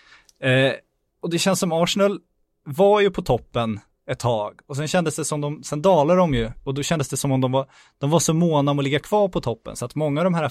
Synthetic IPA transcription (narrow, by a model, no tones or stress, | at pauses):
ɔd̪ɛɕɛnsɔmɑːʂnɛl | vajɵpʰɔt̪ʰɔpːən | ɛt̪ʰːɑːɡɔsɛnɕɛnd̪əsd̪ɛsɔmd̪ɔmsɛnd̪ɑːlad̪ɔmjɵɔd̪ɔɕɛnd̪əsd̪ɛsɔmɔmd̪ɔmvaɾ | d̪̥ɔmvaʂɔmoːnaɔmɔlɪɡːakʰv̥ɑːɾpʰɔt̪ʰɔpːə̰nsɔat̪mɔŋːavd̪ɔmɦæːɾa